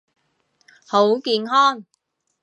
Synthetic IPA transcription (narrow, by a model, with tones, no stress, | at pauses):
ho˨˥wkiː˧nɦɔː˥n